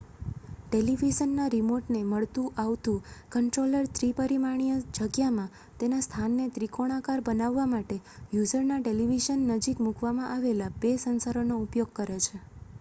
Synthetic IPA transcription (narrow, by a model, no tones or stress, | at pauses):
ʈeliʋiʃənːaɾimoɾʈneməɭt̪ũʔaʋt̪ũkəɳʈɾoləɾt̪ʰɾipəɾimaɳ̃ijəd͡ʒəɡjamã | t̪enast̪ʰanːet̪ɾikoɽ̃akaɾbənaʋːamaʈejud͡ʒəɾnaʈeliʋiʃənːəd͡ʒikmukʋamãʔaʋelabesənsaɾonoupjoɡ̚kəɾet͡ʃʰe